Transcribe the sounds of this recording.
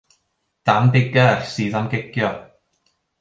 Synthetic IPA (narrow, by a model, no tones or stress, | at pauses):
d̥amdɪɡərsiːðamɡɛɡ̥jɔ